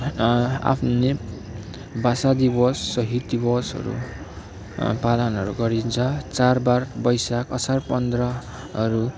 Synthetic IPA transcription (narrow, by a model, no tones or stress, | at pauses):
a̰pʰne | basad̪ibʌsːʌɦit̪̚d̪ibʌsɦʌ̰ɾṵ | palʌnʌɾuɡʌɾint͡sʰʌt͡sarbarbʌjsakʌsarpʌnd̪rʌ | ʌɾu